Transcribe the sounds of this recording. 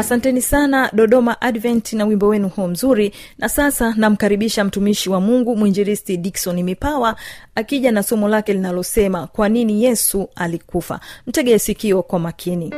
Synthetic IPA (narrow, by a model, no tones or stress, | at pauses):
asantɛnisanaɗɔɗɔmaʔaɗvɛntinawimbɔwɛnuhuɔm̩zuɾi | nasasanam̩kaɾiɓiʃam̩tumiʃiwamuŋɡumwuind͡ʒɛɾistiɗiksɔnimipawaakiʄanasɔmɔlakɛlinalɔsɛmakwaninijɛsualikufa̰m̩tɛɠɛɛsikiɔkwamakʰini